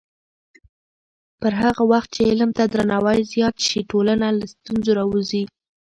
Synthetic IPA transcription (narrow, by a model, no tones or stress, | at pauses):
pəɾɦaɣawaxt̪̚t͡ʃeɪlmt̪ad̪ɾanɑwɑjzjɑt̪ʃiʈolanalast̪unzoɾɑwuzi